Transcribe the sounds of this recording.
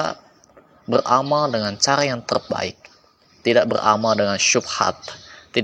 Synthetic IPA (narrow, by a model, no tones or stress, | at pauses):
a | bərʔamaldəŋant͡ʃaɾajaŋt̪ərba̰ɪk̚ | t̪idaʔbərʔa̰maldəŋanʃʊbha̰t̪̚ːi